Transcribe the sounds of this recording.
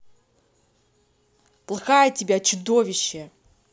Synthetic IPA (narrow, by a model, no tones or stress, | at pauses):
plˠɐxajətʲɪbʲat͡ɕʊd̪ovʲɪɕːɛ